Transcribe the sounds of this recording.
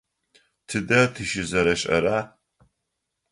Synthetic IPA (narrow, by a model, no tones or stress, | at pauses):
tʰɨdɐtʰɨʃɪzɐɾɐɕʼɐ̰ɾaː